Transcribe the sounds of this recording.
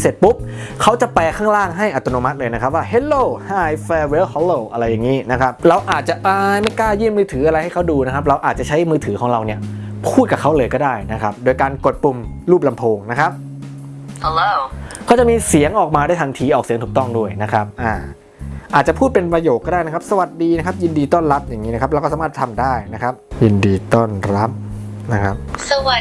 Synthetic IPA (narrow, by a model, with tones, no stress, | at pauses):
se˨˩t̪̚pu˦˥p̚ | kʰa˦˥wt͡ɕa˨˩pɛː˧kʰaː˥˩ŋɾaː˥˩ŋɦa˥˩jʔa˨t̪ːo˧noː˧ma˦t̪̚lɤː˧na˦˥kʰa˦˥p̚waː˥˩ɦe˦˥t̪̚loː˥˩haː˧˥˩jfɛː˧weː˦˥hɔ˦˥loː˥˩ʔa˧ɾa˧jːa˨˩ŋiː˦˥na˦˥kʰɾa˦˥p̚ɾa˧wʔaː˨˩t̪̚t͡ɕa˨˩ʔʔaː˧jma˥˩jklaː˥˩jjiː˥˩mːɯː˧t̪ʰɯː˩˦a˧ɾa˧jha˥˩jkʰa˦˥wduː˧na˦˥kʰp̚ɾa˧wʔaː˨˩t̪̚t͡ɕa˨˩t͡ɕʰa˦˥jmɯː˧t̪ʰɯː˩˦kʰɔː˩˦ŋɾa˧wni˥˩ɐ | pʰuː˥˩t̪̚ka˨˩kʰa˦˥wlɤː˧jkɔː˥˩daː˥˩jna˦˥kʰa˦˥p̚doː˧jkaː˧nko˨˩t̪̚pu˧m | ɾuː˥˩p̚la˧mpʰoː˧ŋna˦˥kʰa˦˥p̚ | lo˧kʰa˥˩t͡ɕa˨ʔmiː˧si˨˩˦əŋʔɔː˨˩k̚maː˧da˥˩jt̪ʰa˧nt̪ʰiː˧ʔɔː˨˩k̚si˨˦ŋt̪uː˨˩k̚t̪ɔ˥˩ŋdu˥˩əjna˦˥kʰɾa˦˥p̚ʔaː˨˧˩ | ʔaː˨˩t͡ɕa˨˩pʰuː˥˩t̪̚pe˧npɾa˧joː˨˩kːɔː˥˩daː˥˩jna˥kʰa˥p̚sa˧wa˨˩t̪̚diː˧na˦˥kʰa˦˥p̚ji˧ndiː˧t̪ɔː˥˩nɾa˦˥p̚ja˨˩ŋːiː˦˥na˦˥kʰp̬̚ɾa˧kɔː˥˩aː˨˦aː˥˩t̪ʰa˧mdaː˥˩jna˦˥kʰɾa˦˥p̚ji˧ndiː˧t̪ɔː˥˩nɾa˦˥p̚na˦˥kʰa˦˥p̚sɐ˧wa˨˩